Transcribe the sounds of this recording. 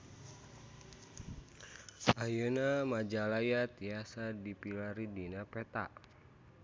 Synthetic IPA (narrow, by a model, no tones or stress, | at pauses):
ajənamad͡ʒalajat̪iasadipilaɾidinapɛt̪a̰